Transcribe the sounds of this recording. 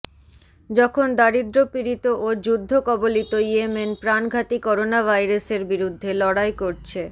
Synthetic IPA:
d͡ʑɔkʰond̪aɾid̪ɾopiɾit̪oʔod͡ʑud̪ʱːokɔbolit̪oiemenpɾanɡʱat̪ikɔɾonavʱajɾaseɾbiɾud̪ʱːelɔɽajkoɾt͡ɕʰe

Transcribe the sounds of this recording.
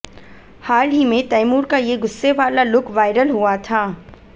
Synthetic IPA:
haːlɦimẽt̪ɐjmuːɾkajeɡʊsːeʋaːlalʊkʰʋaːɪɾəlɦuat̪ʰaː

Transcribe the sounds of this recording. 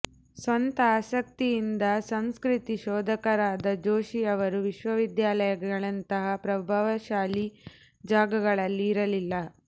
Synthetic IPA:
sʋɐnt̪ɐaːʃɐk̚t̪ijind̪ɐsɐmskɾit̪iʃɔːd̪ɐkɐɾaːd̪ɐd͡ʒoːʃiɐʋɐɾuʋiʃʋɐʋid̪jaːlɐjɐɡɡɐɭɐnt̪ɐɦɐpɾɐbʱaːʋɐʃaːli | d͡ʒaːɡɐɡɐɭɐlːiːɾɐlilːɐ

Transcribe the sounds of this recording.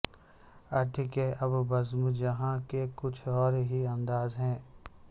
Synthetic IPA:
ɐʈʰɪkeʔɐbbɐzmd͡ʒɐɦãkekʊt͡ʃʰɔːɾɦiɐ̃nd̪aːzɦɛ̃ː

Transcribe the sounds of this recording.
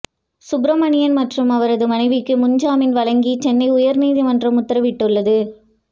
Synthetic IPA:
sʊbɾɐmɐɳɪjɐnmɐʈrɯmɐʋɐɾɐðɯmɐnɐɪʋɪkːɯmʊɲd͡ʒaːmɪnʋɐlɐŋɡit͡ʃɛnːɐɪʊjɐɾniːðimɐndrɐmʊt̪ːɐɾɐʋɪʈːɯɭːɐðɯ

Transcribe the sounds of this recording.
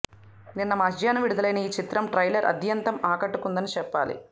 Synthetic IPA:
ninːɐmɐd͡ʒjaːnɐʋiɽud̪ɐlɐjnɐiːt͡ʃit̪ɾɐmʈɾɐjlɐɾʔɐ̰d̪ʱjɐnt̪ɐmaːkɐʈːukund̪ɐnit͡ʃɛpːa̰ːlḭ

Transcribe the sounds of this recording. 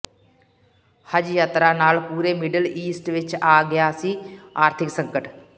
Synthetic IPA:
həd͡ʒjaːt̪ɾaːnaːlpuːɾeːmɪɖəliːsʈʋɪt͡ʃaːɡɐjaːsiːaːɾt̪ʰɪksə̃ŋkəʈ

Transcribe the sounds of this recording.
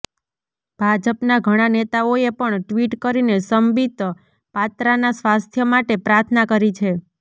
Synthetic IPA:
b̥ʱad͡ʒəpnaɡʱəɽ̃anet̪aoepəɳʈʋiʈkəɾinesəmbʱit̪ | pat̪ɾanasʋast̪ʰjəmaʈepɾaɾt̪ʰnakəɾit͡ʃʰe

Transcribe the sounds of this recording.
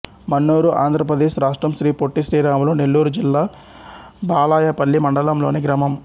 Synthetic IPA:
mɐnːuːɾuʔa̰ːnd̪ʱɾɐpɾɐd̪eːʃɾaːʂʈɾɐmʃɾiːpoʈːiʃɾiːɾaːmloːnelːuːɾud͡ʒilːaː | baːlaːjɐpɐlːimɐɳɖɐlɐmlo̞ːniɡɾɐmɐm

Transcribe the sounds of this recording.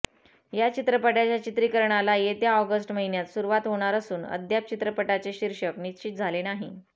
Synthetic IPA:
jat͡ɕit̪ɾəpəʈat͡ɕjat͡ɕit̪ɾikəɾɳalajet̪jaɔɡəsʈməɦinjat̪suɾuʋat̪ɦoɽ̃aɾəsuːnə̰d̪ʱjap̚t͡ɕit̪ɾəpəʈat͡seɕiɾʂəknit̪ɕiːt̪̚d͡zʱalenaɦi

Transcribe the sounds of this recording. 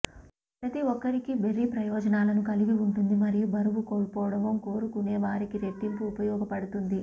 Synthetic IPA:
pɾɐt̪iʋɔkːɐɾikibe̞ɾːipɾɐjɔːd͡ʒɐnaːlɐnukɐliɡiuɳʈund̪imɐɾijubɐɾuʋuko̞ːɭpɔːʋɐɽɐmoko̞ːɾukune̞ːʋaːɾikiɾe̞ʈːimpuːpɐjɔːɡɐpɐɽut̪und̪i

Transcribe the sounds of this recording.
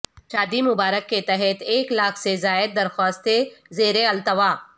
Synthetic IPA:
ʃaːd̪imʊbaːɾəkːet̪ɛɦɛt̪eːklaːkʰsezaːɪd̪̚d̪ɐɾxaːst̪ezeːɾeɐlt̪əʋaː

